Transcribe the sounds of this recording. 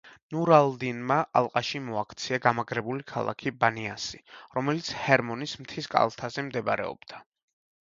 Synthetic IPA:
nuɾald̪inmaʔa̰lˠqʼaʃimɔakʰt̪sʰiaɡamaɡɾɛbulikʰa̰lˠa̰kʰibaniasiɾɔmɛlit̪sʰhɛɾmɔnismt̪ʰiskʼa̰lˠt̪ʰazɛmd̪ɛba̰ɾɛ̰ɔ̰b̥d̪a

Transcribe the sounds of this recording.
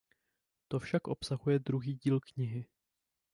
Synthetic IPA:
t̪o̞fʃakʔo̞psaɦujɛd̪ɾuɦiːɟiːlkɲɪɦɪ

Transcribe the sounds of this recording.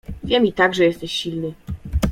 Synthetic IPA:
vʲjɛmʲit̪aɡʐɛjɛst̪ɛɕɕilnɘ

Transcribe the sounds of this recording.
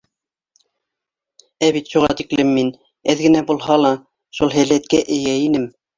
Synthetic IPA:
æβit̪ʃuʁɑ̰t̪iklɘmːin | æðɡɘ̆næbulˠɦɑlˠɑ | ʃulˠɦælæt̪̚kæʔɘ̆jæinɘm

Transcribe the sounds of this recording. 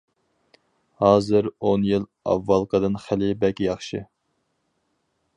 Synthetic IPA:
hɑːzɨɾonjil | ɑ̰wːɑlˠqʰəd̪ɨnχælɪbɛkʲjɑχʃɨ

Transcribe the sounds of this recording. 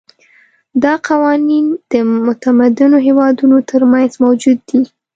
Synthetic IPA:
d̪ɑqawɑnind̪̥əmʊt̪amad̪ɪnoɦewɑd̪unot̪ʰəɾmanzmawd͡ʒud̪ːi

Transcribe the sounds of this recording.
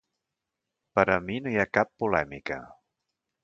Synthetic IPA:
pəɾəminojakapːulɛmikə̰

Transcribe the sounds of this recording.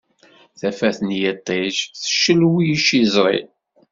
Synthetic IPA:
θæfæθənjət̪ˤːiʃθə̥ʃːəlwijʃizˤɾˤḭ

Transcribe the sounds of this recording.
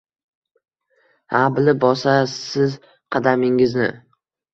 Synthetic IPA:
habɪlɪp̚bɒsassɪz | qʰɑd̪amɪŋɪznɪ̰

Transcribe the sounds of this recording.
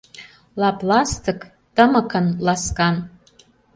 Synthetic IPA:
lɑplɑst̪ʰək | t̪əməkʰənlaskan

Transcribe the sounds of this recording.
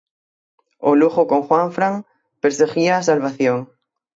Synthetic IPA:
oluxokoŋxwãɱfɾaŋ | peɾseɣiaːsalβaθjoŋ

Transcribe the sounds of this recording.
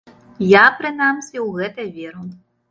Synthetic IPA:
japɾɨnamsʲɛwɣɛt̪ɐvʲɛɾu

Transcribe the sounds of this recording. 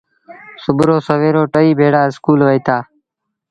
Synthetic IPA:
sʊbɾoːsəʋeːɾoːʈəiːbʱeːɽaːɪskuːlʋəiːt̪ʰaː

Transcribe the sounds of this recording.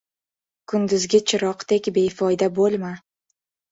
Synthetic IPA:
kʰʊnd̪ʊzɡʲat͡ʃʰɪɾɒqt̪ekʲbe̞jfɒjd̪abolˠma

